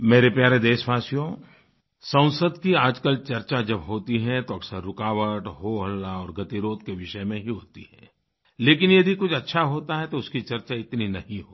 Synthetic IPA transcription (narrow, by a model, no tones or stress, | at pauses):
meːɾepjaːɾed̪eːʃʋaːsijõ | sɐ̃ʊ̃səd̪kiaːd͡ʒkəlt͡ʃɐɾt͡ʃad͡ʒɐbɦoːt̪iɦɛ̃t̪oɐksəɾːʊkaːʋəʈɦoːɦəlːaɔːɾɡɐt̪iɾoːd̪keʋɪʃəmẽɦiɦoːt̪ḭɦɛ̰ː | leːkɪnjɐd̪ikʊt͡ʃʰɐtːʃʰaɦoːt̪aɦɛt̪oʊskit͡ʃɐɾt͡ʃaɪt̪ninɐɦĩɦoːi